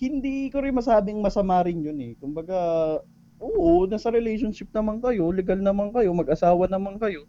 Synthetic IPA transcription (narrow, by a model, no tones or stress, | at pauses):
hɪnd̪iːkoɾɪnmɐsaːbɪŋmɐsɐmaːɾɪnjonɛkʊmbɐɡa | ʔoːʔonɐsɐɾɛlɛjʃonʃɪp̚nɐmaŋkɐjo̞lɪɡɐlnɐmaŋkɐjo̞mɐɡʔɐsaːwɐnɐmaŋkɐjo̞